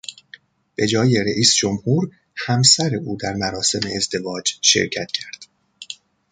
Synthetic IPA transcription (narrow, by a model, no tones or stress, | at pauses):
b̥e̞d͡ʒɒːje̞ɾeʔiːsd͡ʒomhuːɾ | hæmsæɾeʔuːd̪æɾmæɾɒːse̞meːzd̪e̞vɒːd͡ʒʃe̞̰ɾcʰæt̪ʰcʰæɾd̪̥